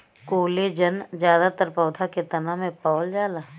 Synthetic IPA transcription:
koːled͡ʒɐnd͡ʒjaːd̪at̪əɾpɔːd̪ʰʱaket̪ɐnamẽpɔːld͡ʒaːlaː

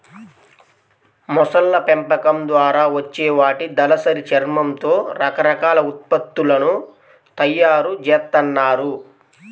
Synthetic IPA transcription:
mɔsɐlːɐpɛmpɐkɐmd̪ʋaːɾaːʋɐt͡ʃːɛːʋaːʈid̪ɐlɐsɐɾit͡ʃɐɾmɐmt̪o̞ːɾɐkɐɾɐkaːlɐut̪̚pɐt̪ːulɐnu | t̪ɐjːaːɾud͡ʒɛːt̪ːɐnːaːɾu

